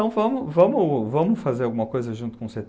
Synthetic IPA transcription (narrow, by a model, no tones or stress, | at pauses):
ɐ̃w̃vɐ̃mʊvɐ̃mʊvɐ̃mʊfazeɾawɡũmɐkojzɐʒũnt̪ʊ̥kõseɾt̪